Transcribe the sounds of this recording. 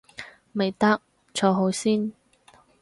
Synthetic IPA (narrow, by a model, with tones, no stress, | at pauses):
me˨jt̪ɐ˥k̚ | t͡ʃʰɔː˧ɦo˨˧wsiː˥n